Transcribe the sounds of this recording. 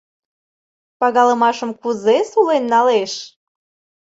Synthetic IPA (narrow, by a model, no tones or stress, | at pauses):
pɑɣɑləmɑʃəmkuzesulenːɑleʃ